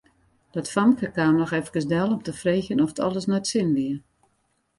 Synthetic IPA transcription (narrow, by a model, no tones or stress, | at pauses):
d̥ɔtfamkəkaːmləxɛfkəsdɛlˠɔmtəfreːçənɔfətʰɔ̰lˠəsnɔtsɪnʋiər